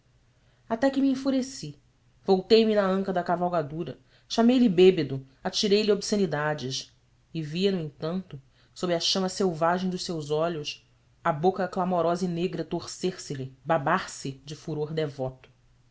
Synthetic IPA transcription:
at̪ɛkɪmiĩfuɾesi | vowt̪ejmɪnɐɐ̃ŋkɐd̪ɐkavawɡad̪uɾɐ | ʃamejlɪbebed̪ʊ | at͡ʃiɾejliobsenid̪ad͡ʒɪʃ | ɪviɐnʊẽŋt̪ɐ̃nt̪ʊ | sobɾɪɐʃɐ̃mɐsewvaʒẽj̃d̪ʊʃsewzɔʎʊs | abokɐklamoɾɔzɐineɡɾɐt̪oχseɾsɪlɪbabaɾsɪd͡ʒɪfuɾoɾd̪evɔt̪ʊ̥

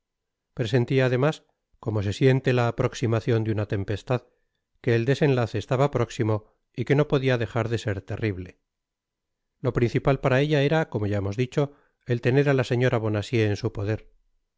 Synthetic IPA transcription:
pɾe̞se̞nt̪iaːðe̞mas | ko̞mose̞sje̞nt̪e̞laːpɾo̞ksimaθjo̞nd̪junat̪e̞mpe̞st̪að | ke̞ːld̪e̞se̞nlaθe̞ːst̪aβapɾo̞ksimo̞ | ike̞no̞po̞ðiaðe̞xaɾðe̞se̞ɾt̪e̞riβle̞ | lo̞pɾinθipalpaɾae̞ʎae̞ɾako̞moʝaemo̞zðit͡ʃo̞ | elt̪e̞ne̞ɾalase̞ɲo̞ɾaβ̞o̞nasje̞ːnsupo̞ðe̞ɾ

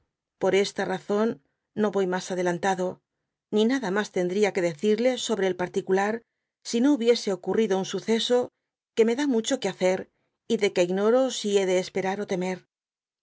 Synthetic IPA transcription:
po̞ɾe̞st̪araθo̞nː | o̞βo̞jmasaðe̞lant̪aðo̞ | ninaðamast̪e̞nd̪ɾiake̞ðe̞θiɾle̞so̞βɾe̞ːlpaɾt̪ikulaɾ | sinouβje̞se̞o̞kuriðo̞unsuθe̞so̞ | ke̞me̞ðamut͡ʃo̞keaθe̞ɾ | iðe̞ke̞iɣno̞ɾo̞sie̞ðe̞ːspe̞ɾaɾo̞t̪e̞me̞ɾ

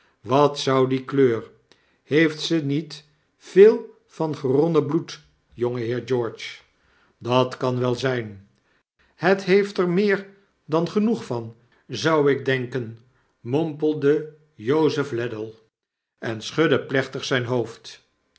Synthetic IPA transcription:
ʋɑtsʌwdikløːr | hejftsənit | feːlˠ | v̥ɑnχərɔnəblut | joŋəɦɪːɹd͡ʒɔːɹt͡ʃ | dɑtkɑnʋɛlˠzɛjn | hətɦejftɛɹmɪːɹ | dɑnχənuχfɑn | zɑwɪɡ̚dɛŋkən | mɔmpəlˠdə | jowzəflɛdəlˠ | ʔɛnsχɵdəplɛχtəχsɛjnɦowft

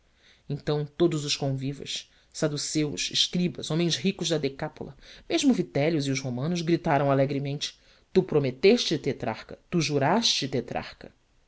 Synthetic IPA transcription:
ẽñt̪ɐ̃w̃t̪od̪ʊzʊʃkõvivɐ̰s | sad̪usewʊ̰ʃɪ̰ʃkɾibɐzõmẽj̃zɦikʊʒd̪ɐd̪ekapo̰lɐmeʒmʊvit̪ɛljʊziʊzhomɐ̃nʊzɡɾit̪aɾɐ̃w̃alɛɡɾimẽnt͡ʃɪ̥ | t̪upɾomet̪eʃt͡ʃɪt̪et̪ɾa̰χkɐt̪uʒuɾaʃt͡ʃɪt̪et̪ɾa̰χkɐ

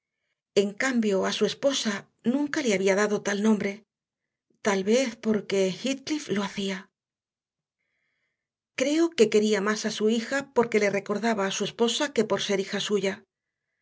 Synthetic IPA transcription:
e̞ŋkambjo̞asue̞spo̞sa | nũŋkaleaβiaðaðo̞t̪alnõ̞mbɾe̞ | t̪alβe̞θpo̞ɾke̞xit̪kliflo̞aθia | kɾe̞o̞ke̞ke̞ɾiamasasuixapo̞ɾke̞le̞re̞ko̞ɾðaβaːsue̞spo̞sake̞po̞ɾse̞ɾixasuʝa

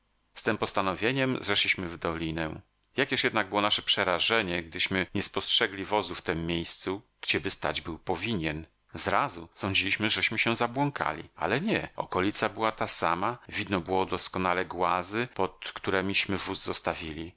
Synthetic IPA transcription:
st̪ɛmpɔst̪anɔvʲjeɲɛmzʐɛʂlʲiɕmɘvd̪ɔlʲinɛ̰ | jakʲjɛʂjɛd̪naɡ̚bɘwɔnaʂɛpʂɛɾaʐɛɲɛɡ̚d̪ɘɕmɘɲɛspɔstʂɛɡlʲivɔzuft̪ɛmːʲjejst̪su | ɡ̥d͡ʑɛbɘst̪a̰d͡ʑbɘwpɔvʲiɲɛn | zɾazusɔ̃ɲd͡ʑilʲiɕmɘʐɛɕmɘɕɛ̃zabwɔŋkʰa̰lʲḭa̰lɛɲɛɔ̰kɔlʲit̪sabɘwat̪asamavʲid̪nɔbɘwɔd̪ɔskɔnalɛɡwazɘpɔt̪kt̪uɾɛmʲiɕmɘvuzːɔst̪avʲilʲi

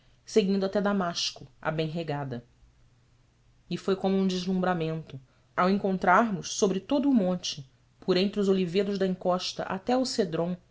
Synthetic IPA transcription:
seɡĩnd̪ʊat̪ɛd̪amaʃkʊɐ̰bẽj̃ɦeɡad̪ɐ | ɪfojkõmʊũd͡ʒɪʒlũbɾamẽnt̪ʊ | awẽŋkõnt̪ɾaɾmʊʃsobɾɪt̪od̪ʊːmõnt͡ʃɪ | pʰoɾẽnt̪ɾɪʊzolived̪ʊʒd̪ɐĩŋkɔʃt̪ɐ̰ʔa̰t̪ɛused̪ɾõw̃

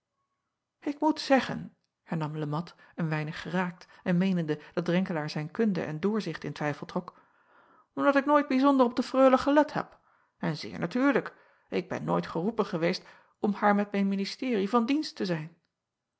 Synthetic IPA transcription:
ɪkmutsɛχə̰n | hɛɹnɑmləmɑt | ənʋɛjnəχːəraːk̚tɛnmejnəndəd̥ɑt̚dʁɛŋkəlaːɹzɛjnkɵndə̰ʔɛ̰ndʊːɹzɪχtɪntʋɛjfəl̩ˠtrɔk | ɔmdɑtɪk̚noːjd̚bizɔndərɔb̚dəfrøːləχəlɛthɛ̰p | ɛnzɪ̰ːɹnatyːɹlək | ɪɡ̚bɛ̰nːo̰jtχərupənχəʋejst | ɔmhaːɹmɛt̚mɛjnministɪːrivɑndinstəzɛjn

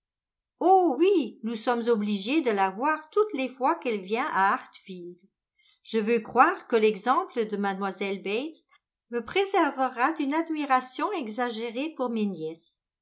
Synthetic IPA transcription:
owinusɔmzɔbliʒed̪əlavwaːʁt̪ut̪lefwakɛlvjɛ̃ʔaːʁt̪fild̪ | ʒ̥əvøkχwaːʁkəlɛɡzɑ̃pləd̪əmad̪mwazɛlbɛt̪s | məpχezɛʁvəʁad̪ynad̪miʁasjɔ̃ɛɡzaʒeʁepuʁmenjɛs

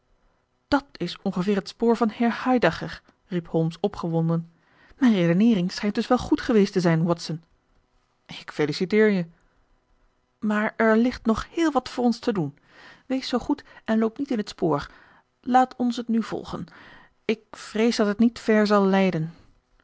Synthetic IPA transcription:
d̥ɑtɪsɔŋχəvɪːɹɦətspoːɹvɑnhɪːɹhɑjdaχər | ripholˠmsɔpχəʋɔndən | mɛjnredənɪːrɪŋsχɛjntdɵsʋɛlˠχutχəʋejstəzɛjnwɔtsən | ɪkfelisitɪːɹjə | maːɹɛɹlɪχtnɔχhɪːlˠʋɑtfʊːɹɔnstədun | ʋejsowχutɛnlowpnitɪnɦətspoːɹ | laːtʰɔnsɦətnyv̥ɔ̰lˠχə̰n | ɪk̚frejzdɑtətnitfɛɹzɑlˠːɛjdən

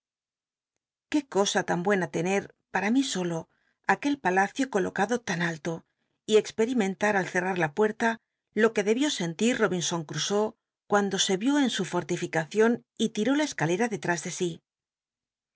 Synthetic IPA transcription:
ke̞ko̞sat̪ambwe̞nat̪e̞ne̞ɾ | paɾamiso̞lo̞ | ake̞lpalaθjo̞ko̞lo̞kaðo̞t̪analt̪o̞ | ie̞kspe̞ɾimẽ̞nt̪aɾalθe̞raɾlapwe̞ɾt̪a | lo̞ke̞ðe̞βjo̞se̞nt̪iɾro̞βinso̞ŋkɾuso̞ | kwand̪o̞se̞βjo̞e̞nsufo̞ɾt̪ifikaθjo̞nit̪iɾo̞lae̞skale̞ɾaðe̞t̪ɾazðe̞si

